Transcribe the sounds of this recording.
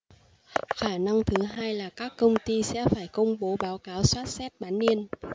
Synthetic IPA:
xaː˧˩na˧ŋt̪ʰɨ˨˦ɦaː˧jlaː˨˩kaː˦˥kːə˧wŋ͡mt̪i˧sɛ̰˧˥faː˧˩jkə˧wŋ͡mɓo˨˦ɓaː˨˦wkaː˨˦wswaː˦˥t̚sɛ˦˥t̚ɓaː˨˦nːi˧ən

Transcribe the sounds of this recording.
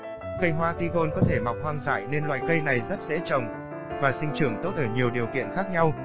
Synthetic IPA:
kə˧jɦwaː˧t̪i˧ɣo˧nkɔ˨˦t̪ʰe˧˩ma˨˩wk͡p̚hwaː˧ŋza̰ː˧˨jne˧nlwa̰ː˨jkə˧jna˨˩jzə˦˥t̚zḛ˧˥t͡ɕə˨˩wŋ͡m | vaː˨˩sï˧ŋ̟t͡ɕɨ˧˩əŋt̪o˦˥t̚ʔəː˧˩ɲi˨˩əwɗi˨˩əwkḭ˧˨ənxaː˦˥k̚ɲa˧w

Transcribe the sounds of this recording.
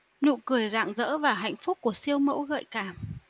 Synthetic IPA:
ɲṵ˧˨kɨ˧˩əjza̰ː˧˨ŋzə̰ː˧˥vaː˨˩ɦa̰˧˨jŋ̟fʊ˦˥k͡p̚kːu˧˩əsi˧əwmə̰˧˥wɣə̰ː˧˨jkaː˧˩m

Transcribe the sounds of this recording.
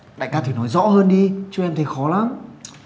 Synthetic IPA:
ɗa̰ː˧˨kaː˧t̪ʰi˧˩nɔ˨˦jzɔ̰˧˥həː˧nɗi˧t͡ɕu˨˧ʔɛ˧mt̪ʰe˨˦jxɔ˨˦laː˨˦m

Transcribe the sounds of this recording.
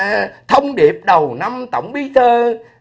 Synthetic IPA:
t̪ʰə˧wŋ͡mɗi˨˩əp̚ɗə˨˩wna˧mt̪ə̰˧˩˦wŋ͡mɓi˨˦t̪ʰəː˧

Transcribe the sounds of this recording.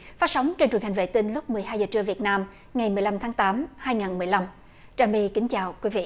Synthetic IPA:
faː˨˦˥sa˨˦wŋ͡mt͡ɕe˧nt͡ɕwənha˨˩ŋ̟vḛ˧˨t̪i˧nlʊ˦˥k͡p̚mɨ˨˩əjɦaː˧jzəː˨˩t͡ɕɨ˧əvi˨˩ət̚naː˧m | ŋa˨˩jmɨ˨˩əjla˧mt̪ʰaː˨˦ŋt̪aː˨˦mhaː˧jŋaː˨˩nmɨ˨˩əjla˧m | t͡ɕaː˨˩mi˧kï˨˦ŋ̟t͡ɕaː˨˩wkwi˨˦vḭ˧˨

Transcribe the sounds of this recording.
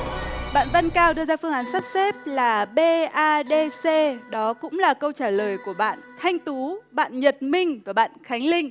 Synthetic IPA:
ɓa̰ː˧˨nva˧nkaː˧wɗɨ˧əzaː˧fɨ˧əŋʔaː˨˦nsa˦˥p̚se˦˥p̚laː˨˩ɓe˧ʔaː˧ɗe˧se˧ɗɔ˨˦kʊ̰˧˥ŋ͡mlaː˨˩kə˧wt͡ɕaː˧˩ləː˨˩jku˧˩əɓa̰ː˧˨nt̪ʰa˧jŋ̟t̪u˨˦ɓa̰ː˧˨nɲə˨˩t̚mï˧ŋ̟vu˧˩əɓa̰ː˧˨nxa˨˦jŋ̟lï˧ŋ̟

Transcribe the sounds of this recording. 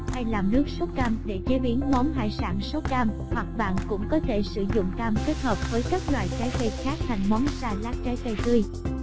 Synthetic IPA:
ha˧jlaː˨˩mnɨ˦˥ək̚so˦˥t̚kaː˧mɗe˧˩t͡ɕe˨˦ɓi˨˦ənmɔ˨˦nɦa̰ː˧˨jsa̰ː˧˩nso˨˦˥kaː˧m | hwa˨˩k̚ɓa̰ː˧˨nkʊ̰˧˥ŋ͡mkɔ˨˦t̪ʰe˧˩sɨ̰˧˩zʊ̰˧˨ŋ͡mkaː˧mke˦˥t̚həː˨˩p̚vəː˨˦jkaː˦˥k̚lwa̰ː˧˨jt͡ɕaː˨˦jkə˧jxaː˦˥k̚t̪ʰa˨˩jŋ̟mɔ˨˦nsaː˧laː˦˥k̚t͡ɕaː˨˦jkə˧jt̪ɨ˧j

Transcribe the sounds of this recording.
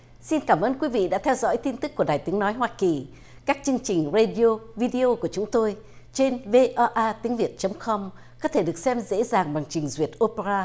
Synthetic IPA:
si˧nkaː˧˩mʔəː˧nkwi˨˦vḭ˧˨ɗa̰ː˧˥t̪ʰɛ˧wzɔ̰˧˥jt̪i˧nt̪ɨ˦˥k̚ːu˧˩əɗaː˨˩jt̪i˨˦əŋnɔ˨˦jɦwaː˧ki˨˩ | kaː˦˥k̚t͡ɕɨ˧əŋt͡ɕï˨˩ŋ̟ze˧ɗi˧o˧vi˧ɗi˧o˧ku˧˩ət͡ɕʊ˨˦ŋ͡mt̪o˧j | t͡ɕe˧nve˧ʔɔ˧ʔaː˧t̪i˨˦əŋvi˨˩ət̚t͡ɕə˨˦wŋ͡mkɔ˧m | kɔ˨˦t̪ʰe˧˩ɗɨ˨˩ək̚sɛ˧mzḛ˧˥zaː˨˩ŋɓa˨˩ŋt͡ɕï˨˩ŋ̟zwi˨˩ət̚ʔo˧pe˧ɾaː˧

